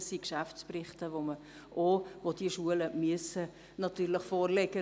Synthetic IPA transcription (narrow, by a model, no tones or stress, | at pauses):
sikʃæfsprɪχtəʋomə | ʔoʋod̥iəʃuələmyəsə | nɑt̪yːɾləχfoːrlɛɡə